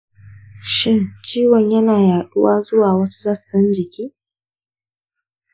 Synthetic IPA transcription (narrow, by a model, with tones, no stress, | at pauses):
ʃɪ˦nt͡ʃiː˦wɔ˨ɲjɐ˦naː˨jaː˨ɗʊ˦waː˦zʊ˦waː˨wɐ˦su̥˦zɐ˦˨sɐ˦nd͡ʒɪ˨kʲiː˦